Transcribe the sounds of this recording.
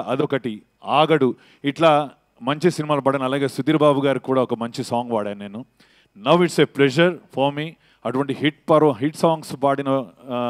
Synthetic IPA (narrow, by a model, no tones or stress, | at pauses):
ʔɐd̪ɔkɐʈi | aːɡɐɽu | iʈlaː | mɐɲt͡ʃisinimaːlupɐɽɐnɐɐlaːɡeːsud̪iːɾɐbʱaːbuɡaːɾikuːɽaːɔkɐmɐɲt͡ʃisaːŋɡʋaːɽeːnneːnu | nɐwiʈseːplɛd͡ʒɐɾpʰɐɾmiː | ɐʈuʋɐɳʈiɦiʈ̚pɐɾoɦiʈsaːŋɡspaːɽinɐ